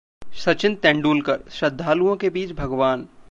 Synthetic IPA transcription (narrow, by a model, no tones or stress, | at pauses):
ʃɐt͡ʃɪ̃nt̪ɛ̃ːɳɖuːlkɐɾʃɐd̪ʱːaːluõkebiːt͡ʃbʱɐɡʋaːn